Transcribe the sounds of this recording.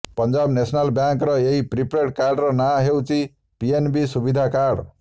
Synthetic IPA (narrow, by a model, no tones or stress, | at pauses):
pʌnd͡ʒabnesʰnalbjaŋkɾʌeɦipɾipɾeʈkaɾɖɾɔnaɦewt͡ʃi | pienbisubid̪ʱakaɾɽ